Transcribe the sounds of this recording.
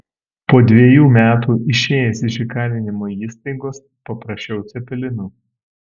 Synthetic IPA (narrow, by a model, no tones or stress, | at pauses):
poːd̪ʲʋʲiɛjuːmʲæːt̪uːʔɪʃʲeːjɛsɪʃʲɪkɑːɾʲɪnʲɪmoːiːst̪ɐɪɡoːs | pɐpɾɐʃʲt͡ʃʲɛʊt̪sʲɛpʲɛlʲɪnuː